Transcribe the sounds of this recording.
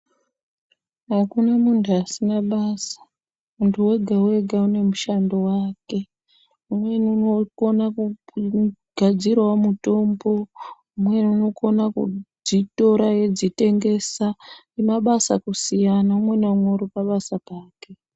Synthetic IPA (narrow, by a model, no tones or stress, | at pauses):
ɦakunamuntʰuasinaɓaːsḁ | muntʰuwe̞ɡʱawe̞ɡʱaune̞muʃando̞waːke̞ | umwe̞niunoko̞naku | ɡ̥ʱad͡zirwamuto̞mbo̞ | umwe̞nuno̞ko̞nakṵd͡zito̞ɾaje̞d͡zite̞ŋɡe̞sa | emaɓasa̰kusijanaumwe̞neumwoɾupaɓasapaːke̞